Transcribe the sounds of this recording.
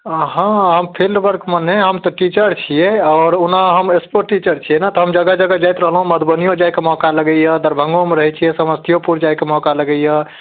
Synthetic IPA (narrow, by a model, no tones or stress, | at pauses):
ɦãɦəmpʰilɖbəɾkməneɦəmt̪ɔʈit͡ʃəɾt͡ʃʰijeaːɾunaɦəmespoʈːit͡ʃəɾt͡ʃʰijɛnat̪ɔɦəmd͡ʒəɡad͡ʒəɡad͡ʒajt̪ɾəɦəlɦũməd̪bənijõd͡ʒajkemɔkaləɡəjəd̪əɾbʱə̃ŋɡomeɾəɦɛt͡ʃʰijɛsəməst̪ʰijopuɾd͡ʒajkemɔkaləɡəjə